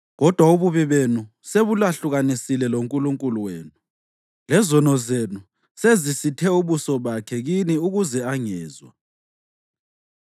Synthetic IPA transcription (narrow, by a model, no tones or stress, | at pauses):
ɣɔd̥ʱwauβuβiβenu | seβulaɬuɣanisilɛloŋkʼuluŋkʼuluweːnu | lɛzɔnɔzenu | sezisitʰɛuβusɔβakʰɛɣiniuɣuzɛaŋɛːzwa̰